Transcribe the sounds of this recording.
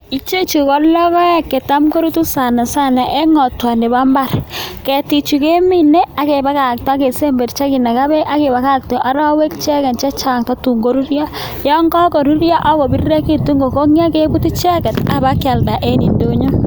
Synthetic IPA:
i˦t͡ʃe˦t͡ʃu˨kɔ˦lːɔ˦kɔ˦ja˦kːe˨ta˦mko˦ɾu˦tu˦sa˨na˨sa˦˨na˨ʔe˦ŋɔ˨twa˨nde˨ba˦mba˦˨rkɛ˨ti˨t͡ʃu˨ke˦mi˦ne˦a˦ke˨ba˨˦ka˨k̚tɔ˦a˦ke˨se˦mbe˨rt͡ʃa˦ki˨na˨ka˦bɛ˦ʔa˦ke˨ba˨ka˦k̚tɔ˨ʔa˨ɾɔ˦we˦kt͡ʃɛ˦kɛ˨nt͡ʃɛ˦t͡ʃa˨ŋta˦tu˨ŋɡo˦ɾu˦ɾja˦ | jɔ˦ŋɡɔ˦ko˨ɾu˦ɾja˦ʔa˦bɔ˨bi˦rre˦ki˦tu˦ŋɡo˨ko˦ŋi˦a˦ke˦bu˦tu˦t͡ʃɛ˦kɛ˨ta˨ba˦kja˨lda˨ʔe˦ni˨ndo˦ɲɔ˦

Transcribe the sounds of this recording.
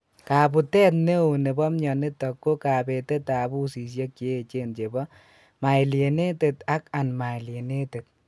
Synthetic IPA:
ka˨bu˨tɛː˦t̚ne˦o˨ne˨bɔ˦mɲɔ˨ne˦tɔ˨kːo˦ka˨bɛ˨te˦ta˨bu˦si˨s̬je˦kːe˦˨t͡ʃe˦nt͡ʃe˨bɔ˦ | ma˨jlje˨ne˦te˨ta˦ka˨nma˨le˨ne˦te˨t̚

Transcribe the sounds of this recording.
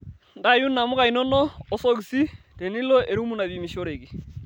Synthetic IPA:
nda˦˨ju˦na˨mʊ˦ka˨i˨nɔ˦nɔː˦so˦k̬si˦ | te˨ni˦lɔ˦ʔe˨ɾu˦mu˦na˨βi˨mi˨ʃo˦ɾe˨kɪ˨

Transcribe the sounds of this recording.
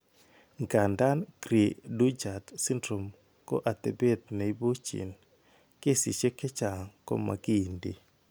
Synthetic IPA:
ŋɡa˨nda˦nkɾi˨du˦d͡ʒa˨tsi˦ndɾo˨m | ko̰˦ʔa˨t̪e˨be˦t̪̚na˨i˦bo˦t͡ʃḭ˨n | ke˦si˨t͡ʃe˦kɛ˦t͡ʃa˨ŋkɔ̰˦ma̰˨ɡi˦˨ndḭ˨

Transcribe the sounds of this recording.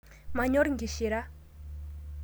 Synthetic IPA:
ma˩˨ɲo˥rŋɡi˩˨ɕe˩˨ɾa˩˨

